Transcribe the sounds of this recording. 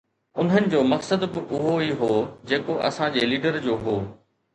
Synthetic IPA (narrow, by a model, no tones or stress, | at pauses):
ʊn̤ɦənɪ̆d͡ʑoːmɐksəd̪bɪʔʊɦoiɦoːd͡ʑeːkoʔɐ̰sãd͡ʑeːliːɖəɾd͡ʑoːɦoː